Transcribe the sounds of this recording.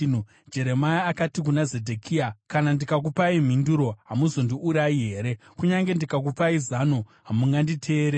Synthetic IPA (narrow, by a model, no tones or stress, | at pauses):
d͡ʒe̞ɾe̞majaakatik̬unaze̞dʱekʰiakanandikakupaim̤induɾo̞ɦamuzo̞ndiʔuɾaiɦe̞ːɾe̞kuɲaŋɡe̞ndikak̬upaizanoɦamuŋɡanditʰe̞ːɾe